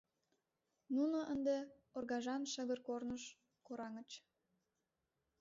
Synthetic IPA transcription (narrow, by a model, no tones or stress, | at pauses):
nunoʔənd̪e | orɣɑʒɑnʃəɣərkornəʃ | koɾɑŋət͡ɕ